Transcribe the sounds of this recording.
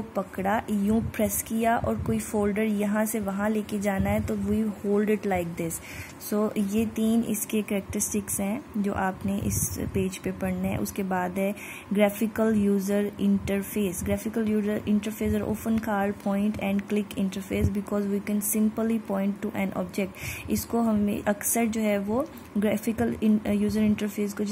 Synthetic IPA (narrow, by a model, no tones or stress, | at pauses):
opɐkɽajũːpɾɛskijaʔɔːɾkoːifoːlɖəɾjɐɦãseʋɐɦãleːked͡ʒaːnaɦɛt̪oʋiihoːlɖɪʈlaɪk̚d̪ɪsː | oːjet̪iːnɪ̰skekɛɾɛk̚ʈəɾɪsʈɪksɦɛ̃d͡ʒo̰ːʔaːpneʔɪ̰speːd͡ʒpepɐɽneɦɛ̰̃ʔʊ̰skebaːd̪ɦɛ̃ | ɡɾɛːfɪkəljuːzəɾɪ̃ɳʈəɾfeːsɡɾɛːfɪkəljuːzəɾɪ̃ɳʈəɾfeːz̬aːɾʔo̰ːpə̃nkaːɾɖpʰɔ̃ːɪ̃ɳʈɛ̃ːɳɖklɪkɪ̃ɳʈəɾfeːs̬bɪkɔːzʋiːkɛ̃nsɪ̃mpəlipɔ̃ːɪ̃ɳʈːuʔɛ̃nʔɔ̰ːbd͡ʒɛk̚ʈɪskoɦɐmḛ̃ʔɐksəɾd͡ʒoːɦɛʋo | ɡɾɛːfɪkəlɪjuːzəɾɪ̃ɳʈəɾfeːs̬ko